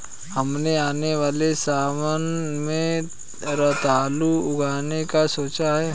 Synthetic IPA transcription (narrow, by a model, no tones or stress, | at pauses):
hɐmneaːneʋaːlesaːmənmẽ | ɾət̪aːluʊɡʱaːnekasoːt͡ʃaɦɛː